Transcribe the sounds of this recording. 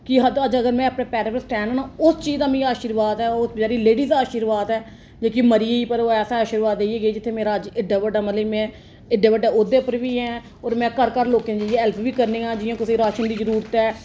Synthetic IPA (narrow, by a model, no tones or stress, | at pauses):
kɪɦəəd͡ʒəɡəɾmɛ̃ːəpɳẽːpɛːɾeːpəsʈɛːnːnãːʊst͡ʃiːzd̪aːmĩːaːʃɪɾʋaːd̪ɛːʊsbd͡ʒaːɾiːleːɖiːzaːʃiːɾʋaːd̪ɛː | d͡ʒeːkiməɾɪːiːpəɾoːɛːsaaːʃiɾʋaːd̪eieːɡeːd͡ʒɪt̪ʰːeːmeːɾaːəd͡ʒɪɖːaːʋəɖaːmət̪ləmɛ̃ː | ɪɖeːʋəɖaːʊd̪eːpəɾʋiːɦɛː | oːɾmɛ̃ːkəɾkəɾloːkẽnd͡ʒəɪẽɦɛlpʰʋiːkəɾneːãːd͡ʒɪjãːkɪsiːɾaːʃənd̪iːzəɾuːɾət̪ɛː